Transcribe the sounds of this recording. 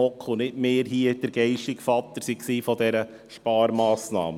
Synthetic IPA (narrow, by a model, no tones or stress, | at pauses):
ɔkʰːʊnɪtmeːɾɦiəd̥əɾɡ̥ɛɪʃtɪkfɑt̪ːəɾsiksiːfɔd̪ɛɾə | ʃpɑːɾmɑːsnɑ̰ːmə